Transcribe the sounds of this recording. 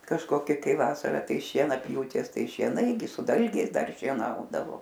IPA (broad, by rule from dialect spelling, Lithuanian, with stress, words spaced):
kɐʃkoːˈkʲɪ ˈkɐɪ ˈʋɑːsɐrɐ ˈtɐɪ ʃʲiɛnɐˈpʲjuːtʲeːs ˈtɐɪ ʃʲiɛˈnɐɪ ɡʲɪ sʊ ˈdɐlʲɡʲɛɪs ˈdɐr ʃʲiɛˈnɐʊdɐʋoː